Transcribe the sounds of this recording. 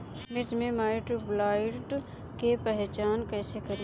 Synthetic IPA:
mɪt̪mẽmaːɪʈɾublaːɪʈ | kepəɦt͡ʃaːnkɛːsekɐɾ

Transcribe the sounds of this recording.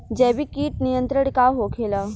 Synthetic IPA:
d͡ʒɛːbʱikiːʈ̚nijə̃nt̪ɾəɽ̃kaɦokʰeːlaː

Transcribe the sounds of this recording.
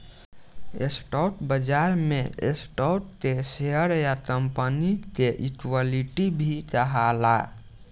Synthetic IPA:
ḛsʈaʈbəd͡ʒaɾmeḛsʈɔʈ̚t̪eseəɾjat̪əmpənit̪eʔikwaliʈibʱit͡ʃəɦala

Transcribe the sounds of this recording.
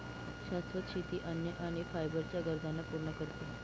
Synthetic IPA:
ɕast̪ɾət̪ɕit̪iːʔənjəʔaɽ̃ifajbəɾt͡ɕjaɡəɾd̪ʱanːapuɾɳəkəɾt̪o

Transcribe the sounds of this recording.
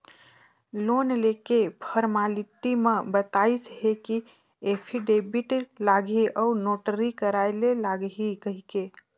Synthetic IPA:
lonlekepʰəɾmaliʈ̪imẽbət̪aisɦeki | epʰiɖebiʈlaɡʱiʔəunoʈəɾikəɾajlelaɡɦikəɦike

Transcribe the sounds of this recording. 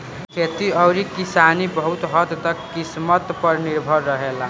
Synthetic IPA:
kʰet̪iʌwɾikisanibʌɦut̪ɦʌt̪d̪ʌkkːismət̪pʌɾniɾbʱʌɾːʌɦela

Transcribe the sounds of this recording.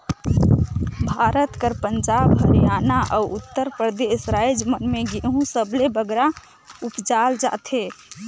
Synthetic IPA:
bʱaɾət̪kəɾpənd͡ʒabɦəɾjanaʔəuut̪ːəɾpɾəɾd̪esɾaid͡ʒmənmeɡeɦũsəblebəɡɾa | upd͡ʒald͡ʒa̰t̪ʰe

